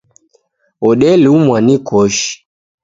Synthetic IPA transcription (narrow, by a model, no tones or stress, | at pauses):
ɔɗɛliumwanikɔʃi̥